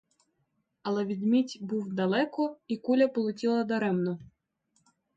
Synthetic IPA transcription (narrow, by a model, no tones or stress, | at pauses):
ɐlˠɛʋʲid̪mʲitʲbuwd̪ɐlˠɛkɔikulʲɐpɔlˠʊtʲilˠɐd̪ɐɾɛmnɔ